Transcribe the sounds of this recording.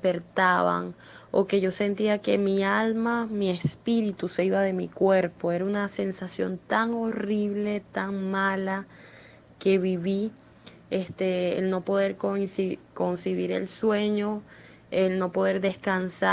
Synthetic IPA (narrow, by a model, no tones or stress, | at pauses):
peɾt̪aβa̰ŋ | o̰ke̞ʝo̞se̞nt̪iake̞mialmamie̞spiɾit̪use̞iβaðe̞mikwe̞ɾpo̞e̞ɾaunase̞nsasjo̞̰nt̪aŋo̞riβle̞t̪aŋmala | ke̞βiβi | est̪ḛːlno̞po̞ðe̞ɾkonsiko̞nsiβiɾe̞̰lswe̞ɲo̞ | elno̞po̞ðe̞ɾðe̞skansa